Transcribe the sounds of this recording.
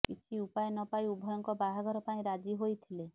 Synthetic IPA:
kit͡ʃʰiupaenɔpajubʱɔjɔŋkɔbaɦaɡʱɔɾɔpaĩɾad͡ʒiɦojt̪ʰile

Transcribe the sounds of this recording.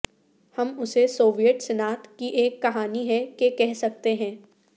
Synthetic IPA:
hɐmʊsesoːʋijəʈsɛnaːt̪kiʔeːkːɐɦaːniɦɛkekɛɦsɐk̚t̪eɦɛ̃ː

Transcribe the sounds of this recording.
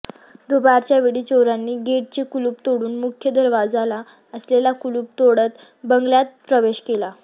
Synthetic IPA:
d̪obaɾt͡ɕjaʋeɽiːt͡ɕoɾanːiːɡeʈ̚t͡ɕekuluːpt̪oɽuːnmukʰjəd̪əɾʋad͡zala | əslelakuluːp̚t̪oɽət̪ | bəŋɡljat̪̚pɾəʋeɕkela

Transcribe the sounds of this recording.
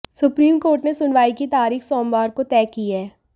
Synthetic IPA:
sʊpɾiːmkoːɾʈnesʊnʋaːikit̪aːɾiːxsɔːmbaːɾkot̪ɛːkiɛː

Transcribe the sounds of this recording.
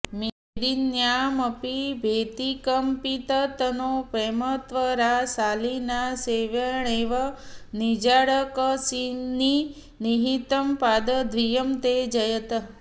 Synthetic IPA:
me | d̪injaməpibʱet̪ikəmpit̪ət̪ənopemət̪ʋəɾasalinaseʋəɳeʋənid͡ʒaɽəkəsini | niɦit̪əmpad̪əd̪ʱʋijəmt̪ed͡ʒəjət̪

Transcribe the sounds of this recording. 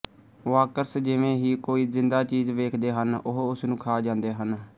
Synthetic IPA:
ʋaːkəɾsd͡ʒɪʋẽːɦiːkoːiːzɪnd̪aːt͡ʃiːzʋeːkʰd̪eːɦənʊɦʊsnũːkʰaːd͡ʒãːnd̪eːɦən

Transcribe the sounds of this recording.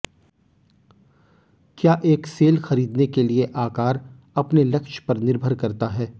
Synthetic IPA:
kjaːʔeːkseːlxɐɾiːd̪nekelieʔaːkaːɾ | ɐpnelɐkʃpɐɾnɪɾbʱəɾkɐɾt̪aɦɛː

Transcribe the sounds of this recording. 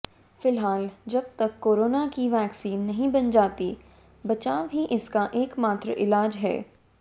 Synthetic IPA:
fɪlɦaːld͡ʒɐb̚t̪ɐkːoːɾoːnakiʋɛːksiːnːɐɦĩbɐnd͡ʒaːt̪i | bɐt͡ʃaːʋɦiʔɪskaʔeːkmaːt̪ɾəʔɪlaːd͡ʒɦɛ̰ː

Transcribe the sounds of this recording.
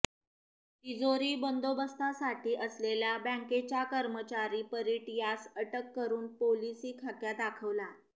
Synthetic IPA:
ʈid͡zoɾiːbənd̪obəst̪ʰasaʈʰiːʔəslelabə̃ŋket͡ɕjakəɾmət͡ɕaɾiːpəɾiʈijasəʈəkːəɾuːnpolisiːkʰakjad̪akʰəʋla

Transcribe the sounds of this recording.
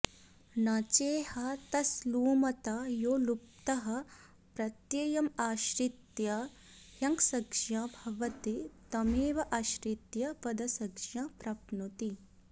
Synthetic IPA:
naːt͡ʃeːhɐt̪ɐsluːmɐt̪ajoːlup̚t̪ɐɦɐ̆ | pɾɐt̪jeːjɐmaːʃɾit̪jɐ | hjɐŋksɐɡʂjɐbʱɐʋɐt̪it̪ɐmeːʋɐʔaːʃɾit̪jɐpɐd̪ɐsɐɡʂjɐpɾɐpnut̪i

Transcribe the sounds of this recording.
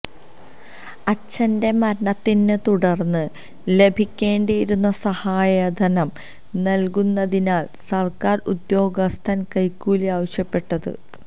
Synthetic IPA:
ɐt͡ɕːɐnde̞mɐɾɐɳɐt̪ːinːɨt̪uɽɐrnːɨ | le̞bʱikʲːe̞ːɳɖijiɾunːɐsɐhaːjɐd̪ʱɐnɐm | nɐlkunːɐðinaːl | sɐrkaːrṵd̪jo̞ːɡɐst̪ʰɐnkɐjkːuːliaːʋɐɕjɐpːe̞ʈːɐðɨ̰

